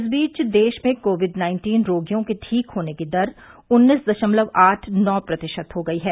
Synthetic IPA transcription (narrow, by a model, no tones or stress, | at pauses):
ɪs̬biːt͡ʃd̪eːʃmẽkoːʋɪɖnãːɪ̃nʈiːnɾoːɡjõkeʈʰiːkɦoːneked̪ɐɾʊnːiːsd̪ɐʃəmləʋaːʈʰnɔːpɾɐt̪ɪʃət̪ɦoɡɐiɦɛː